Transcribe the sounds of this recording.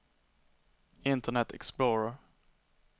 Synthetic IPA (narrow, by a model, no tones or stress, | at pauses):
ɪnt̪əɳɛt̪ʰɛ̰ksploːɹə